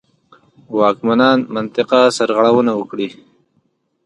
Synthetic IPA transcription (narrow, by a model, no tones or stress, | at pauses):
wɑkmanɑnmant̪ɪqasaɾɣaɽawənawəkɽi